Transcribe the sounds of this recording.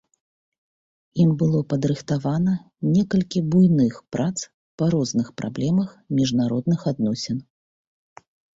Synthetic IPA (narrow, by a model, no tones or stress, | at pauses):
imbɨlˠɔpɐd̪ɾɨxt̪avanɐ | nʲɛkɐlʲkʲibujnɨxpɾʔat̪s | pɐɾɔznɨxpɾʔa̰blʲɛmɐxmʲiʐnaɾɔd̪nɨxad̪̚nɔsʲɛn